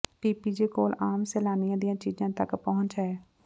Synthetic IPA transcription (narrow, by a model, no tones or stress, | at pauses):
piːpiːd͡ʒeːkoːlaːmsɛːlaːnɪjãːd̪ɪjãːt͡ʃiːd͡ʒãːt̪əkpɔɦʊ̃ɲt͡ʃɦɛː